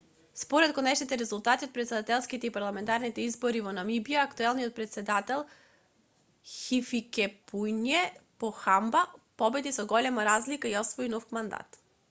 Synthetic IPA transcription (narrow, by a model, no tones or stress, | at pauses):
spɔɾɛt̪̚konɛʃnit̪ɛɾɛzulˠt̪at̪iot̪̚pɾɛt̪sɛd̪at̪ɛlˠskit̪ɛipaɾlˠamɛnt̪aɾnit̪ɛizbɔɾivɔnamibiaːkt̪uɛlˠnijot̪̚pɾɛt̪sɛd̪at̪ɛlˠ | xifikɛpujnjɛpɔxambapɔbɛd̪isɔɡɔlɛmaɾazlikaiɔsvɔjnɔfmand̪a̰t̪